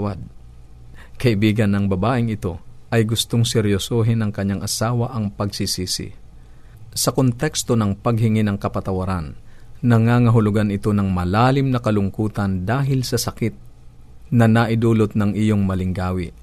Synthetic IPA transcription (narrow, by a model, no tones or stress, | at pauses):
wad̪̚ | kɐʔɪbiːɡɐnːɐŋbɐbaːʔɪŋɪt̪o̞ʔɐjɡʊst̪oŋsɛɾjosoːɦɪnɐŋkɐɲaŋʔɐsaːwɐʔɐŋpɐɡsisiːsɪ̰ | sɐkont̪ɛkst̪o̞nɐŋpɐɡ̚hɪŋɪnɐŋkɐpɐt̪ɐwɐɾannɐŋaːŋɐɦʊlʊɡanɪt̪o̞nɐŋmɐlaːlɪmnɐkɐlʊŋkuːt̪ɐnd̪aːɦɪlsɐsɐkɪt̪̚ | nɐnɐʔɪd̪uːlot̪̚nɐŋʔɪjoŋmɐlɪŋɡaːwɪ